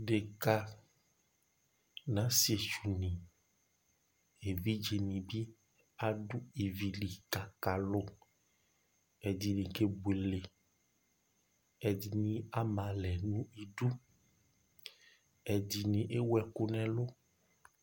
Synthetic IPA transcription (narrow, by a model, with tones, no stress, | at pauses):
ɖe˨ka˦ | nã˨˦si˦e˨t͡ʃu˨nĩ˨ | e˨vi˦d͡ʒe˨nĩ˨bi˦ | a˦ɖu˦e˨vi˨li˨ka˨ka˨lo˦ | ɛ˨di˨nĩ˨ke˦be˨le˨ | ɛ˨di˨nĩ˦a˦mã˨lɛ˨nũ˦i˨ɖu˦ | ɛ˨di˨nĩ˨ʔe˦wɛ˨ko˦nɛ̃˦lo˦